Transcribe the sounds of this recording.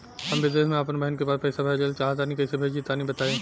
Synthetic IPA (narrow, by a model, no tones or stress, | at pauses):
hɐmʋɪd̪eːɦmẽaːpnbɐɦənkebaːd̪̚pʰɐɪsabʱɛːd͡ʒəlt͡ʃaːɦat̪aːnĩkɛːsebʱeːd͡ʒit̪aːnĩbɐt̪aːẽː